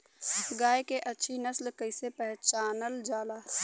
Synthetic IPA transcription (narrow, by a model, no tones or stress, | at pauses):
ɡaːjkeʔɐtːʃʰinəslkəɪsepɛɦt͡ʃaːnəld͡ʒaːlaː